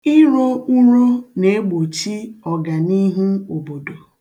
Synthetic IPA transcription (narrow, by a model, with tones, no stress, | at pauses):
i˦ɾo˦u˦ɾu˦ne˨e˦ɡ͡bo˨t͡ʃi˦ɔ˨ɡa˨ni˦ɦu˦o˨bo˨do˨